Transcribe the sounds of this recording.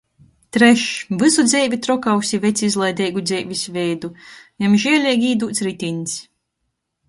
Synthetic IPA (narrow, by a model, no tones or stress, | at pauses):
t̪ɾɛʃvɨsud̪zʲɛːvʲit̪ɾɔkawsivʲet̪sʲizlˠɛjd̪ɛjɡud̪zʲɛːvʲisʲvʲɛjd̪ujamʒiɛlʲɛɡʲiːd̪uːt̪sɾit̪ʲins